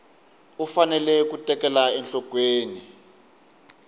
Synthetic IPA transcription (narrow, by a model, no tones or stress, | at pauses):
ufanɛlɛk̬utʼɛkɛlaɛnɬɔkweːni